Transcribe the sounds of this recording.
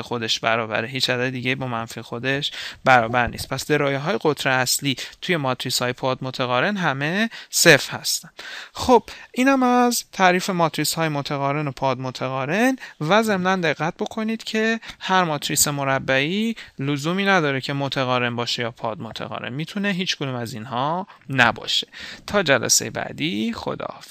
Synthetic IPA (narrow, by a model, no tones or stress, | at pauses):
exo̞d̪e̞ʃbæɾɒːbæ̰ɾeɦiːt͡ʃæzæmed̪iːɟejibɒːmænfiexo̞d̪e̞ʃbæɾɒːbæɾnḭst̪̚pʰæsd̪e̞ɾɒːjeɦɒːjeɣot̪ʰɾeæsliːt̪ʰuje̞mɒːt̪ʰɾiːshɒːje̞pʰɒːd̪mot̪ʰæɣɒːɾe̞nɦæme̞sefhæst̪ænd̪̥xob̥ʔiːnhæmæzt̪ʰæːɾiːfe̞mɒːt̪ʰɾiːshɒːjemot̪ʰæɣɒːɾe̞nopʰɒːd̪mot̪ʰæɣɒːɾe̞nvæze̞mnænd̪e̞ɣːæt̪̚bo̞kʰo̞niːd̪̥cʰe̞hæɾmɒːt̪ʰɾiːse̞mo̞ɾæbːæiːlozuːmiːnæd̪ɒːɾecʰe̞mot̪ʰæɣɒːɾe̞nbɒːʃe̞jɒːpʰɒːd̪̚mot̪ʰæ̰ɣɒ̰ɾḛnmiːt̪ʰuneɦiːt͡ʃʰɡod̪uːmæzinhɒːnæ̰bɒ̰ːʃe̥t̪ʰɒːd͡ʒælæ̰se̞̰jḛbæ̰ːd̪ixo̰d̪ɒ̰ːf